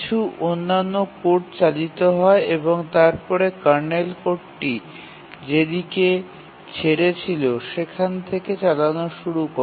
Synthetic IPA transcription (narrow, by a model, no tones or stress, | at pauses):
t͡ɕʰuʔonːanːokoʈ̚t͡ɕalit̪oɦɔeeboŋt̪aɾpɔɾekaɾnelkoʈʈi | d͡ʑed̪ike | t͡ɕʰeɾet͡ɕʰiloʃekʰant̪ʰeket͡ɕalanoʃuɾuko